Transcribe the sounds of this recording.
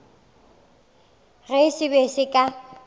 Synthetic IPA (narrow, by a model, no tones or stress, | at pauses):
ɣɛsɪbesɪkʼa